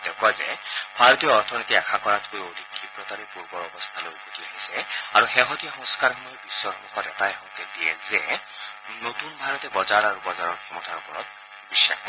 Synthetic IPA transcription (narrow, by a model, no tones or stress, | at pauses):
d̥ɛkɔzɛbʱaɹɔt̪ijɔɔɹt̪ʰɔnit̪iɛkʰakɔɹatkojod̪ʱikʰːipɹɔtaɹipuɹbɔɹɔbɔst̪ʰalojɡudiaɦisɛaɹuxɛɦɔtijaxɔ̃ŋskaɹxɔmɔjɔbisːɔɔmɔkɔtɛtaɛɦɔkɛdijɛzɛ | notunbʱaɹɔtɛbɔzaɹaɹubɔzaɹɔɹximɔtʰaɹɔpɔɹɔt̚ | bisːa̰kɔ